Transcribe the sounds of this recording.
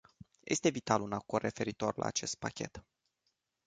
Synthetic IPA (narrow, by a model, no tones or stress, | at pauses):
jʔe̞̰st̪e̞vit̪alunakorre̞fe̞ɾit̪o̞rla̰ːt͡ʃe̞st̪̚pakʲe̞t̪